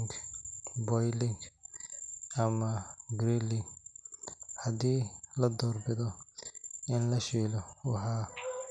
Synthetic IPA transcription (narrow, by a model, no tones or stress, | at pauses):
ŋɡbɔjlɪŋɡ | ɐmɐbɾilɪŋɡ | hɐdiːlɐd̪ɔːrbɪðɔ | ɪnlɐʃiːlɔwɑħɑː